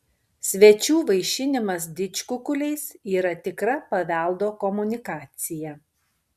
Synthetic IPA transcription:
sʲʋʲɛt͡ʃʲuːʋɐɪʃʲɪnʲɪmɐsd̪ʲɪt͡ʃʲkʊkʊlʲɛɪsiːɾɐt̪ʲɪkɾɐpɐʋʲæˑlˠd̪oːkɔmʊnʲɪkɑːt̪sʲɪjɛ

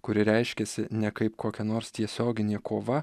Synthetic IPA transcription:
kʊɾʲɪɾʲɛɪʃʲkʲɛsʲɪnʲɛkɐɪpkʰoːkʲɛnoːɾst̪ʲiɛsʲoːɡʲɪnʲeːkʰoːʋɐ

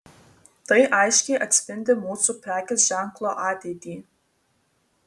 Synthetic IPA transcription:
t̪ɐɪʔɐɪʃʲkʲɛjʔɐt̪ʲsʲpʲɪnʲd̪ʲɪmuːsupʲɾʲæːkʲɪs̬ʒʲæŋklˠoːʔɑːt̪ʲeːt̪ʲiː

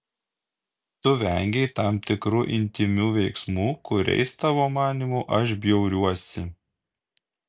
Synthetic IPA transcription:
t̪ʊʋʲɛ̰ŋʲɡʲɛɪt̪ɑˑmpt̪ʲɪkɾuʔɪ̰nʲt̪ʲɪmʲuːʋʲɛɪksmuːkʊɾʲɛ̰ɪst̪ɑʋoːmɑːnʲimuʔɐʃ̬bʲjɛʊɾʲuɔsʲɪ

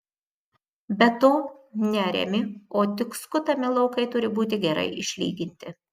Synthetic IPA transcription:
bʲɛt̪oːnʲɛɾʲɛ̰mʲɪoːt̪ʲɪkskʊt̪ɐmʲɪlˠɒʊkɐɪt̪ʊɾʲɪbuːt̪ʲɪɡʲɛɾɐ̰ɪɪʃʲlʲḭːɡʲɪnʲt̪ʲɪ

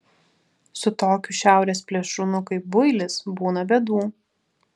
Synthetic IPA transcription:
sʊt̪oːkʲuːˑʃʲæˑʊɾʲeːs̬pʲlʲɛʃʊnʊkɐɪp̚bʊɪlʲɪsbuːnɐbʲɛd̪uː

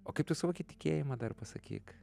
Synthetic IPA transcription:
oːkɐɪpt̪ʊsɐʋoːkʲɪt̪ʲɪ̥kʲeːjɪmɐd̪ɐrpɐsɐkʲḭːk

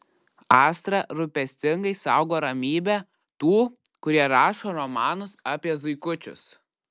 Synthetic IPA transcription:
ɑːst̪ɾɐɾʊpʲɛsʲt̪ʲɪŋɡɐɪsɑˑʊɡoːɾɐmʲiːbʲɛ | t̪uː | kʊɾʲiɛɾɑːʃoːɾɔmɑːnʊsɑːpʲiɛzʊɪkʊt͡ʃʲʊ̰s

